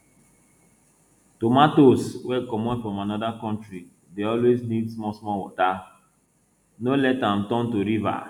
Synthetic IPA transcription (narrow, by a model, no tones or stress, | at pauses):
tomatoswɛkɔmɛfɾɔ̃manɔdakɔ̃n̩tɾi | deɔlweznidsmɔsmɔwʊ̰ta | nolɛtam̩tɔ̃n̩toɾiva̰